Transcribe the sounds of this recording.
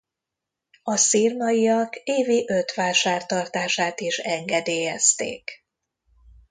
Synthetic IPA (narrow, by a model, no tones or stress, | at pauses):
ɒsirmɒjiɒkeːviʔøt̪ʋaːʃaːrt̪ɒrt̪aːʃaːt̪iʃɛŋɡɛd̪eːjɛst̪ḛːk